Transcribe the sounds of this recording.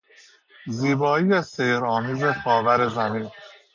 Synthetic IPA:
ziːbɒːiːjeseɾɒːmiːzexɒːvæɾe̞zæmiːn

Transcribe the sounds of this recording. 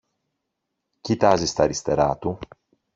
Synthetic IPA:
cit̪ɐzist̪ɐɾist̪e̞ɾɐt̪u

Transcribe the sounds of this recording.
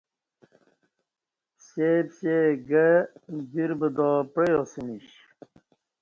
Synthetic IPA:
ɕeːbɕeːɡəd͡ʑiɾbəd̪ɔːpɾejosiniɕɕ

